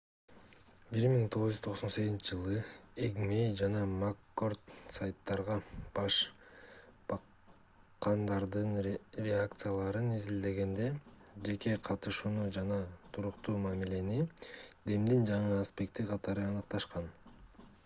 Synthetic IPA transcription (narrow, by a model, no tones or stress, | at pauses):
biɾmiŋt̪ʰo̞ʁuʒyzt̪ʰo̞ʁso̞nse̞ɡʲzint͡ʃʰɪd͡ʒɯlˠɯeɡmejd͡ʒɑnɑmakːo̞rt̪sajt̪ːɑɾʁɑb̥ɑʃ | b̥ɑ | qːɑnd̪ɑɾd̪ɯnɾʲeak̚t̪sɨjalˠɑɾɯnizild̪e̞ɡe̞nd̪e̞d͡ʒe̞ke̞qʰɑt̪ɯʃuːnud͡ʒɑnɑt̪ʰuɾuqt̪uːmamile̞nid̪e̞md̪ind͡ʒɑɴɯaspe̞kt̪iqʰɑt̪ɑɾɯɑnɯqt̪ɑʃqɑn